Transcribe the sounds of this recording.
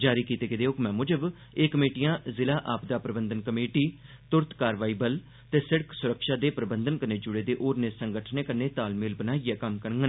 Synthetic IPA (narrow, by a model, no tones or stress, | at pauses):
d͡ʒaːɾiːkiːt̪eːkɪd̪eːʊkmɛ̃ːmʊd͡ʒəb | eːkəmeːʈijãːzɪlaːʔaːpd̪aːpɾəbənd̪ənkəmeːʈiː | t̪ʊɾt̪kaːɾʋaːiːbəl | t̪eːsɪɽəksʊɾəkʃaːd̪eːpɾəbənd̪ənkəɾneːd͡ʒʊɽeːd̪eːʔoːɾneːsəŋɡəʈʰneːkəneːt̪aːlmɪːlbənaːijɛːkəmkəɾŋɡən